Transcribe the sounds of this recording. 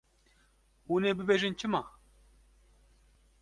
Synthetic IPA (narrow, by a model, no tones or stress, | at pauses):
huːneːbɨbeːʒɨnt͡ʃʰɨmɑː